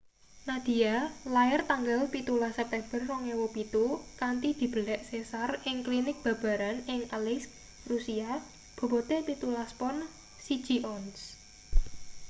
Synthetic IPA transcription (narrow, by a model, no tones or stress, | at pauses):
nad̪̥i̤alaɪrt̪aŋɡalpit̪ulasɛp̚t̪ɛmb̥ərːɔŋewɔpit̪ukant̪id̪̥i̤b̥ə̤lɛʔsesarɪŋklinɪk̚b̥ä̤b̥a̤ɾanɪŋalɪsk | rusia | b̥o̤bot̪epit̪ulaspɔn | si̥d͡ʒ̥i̤ʔɔns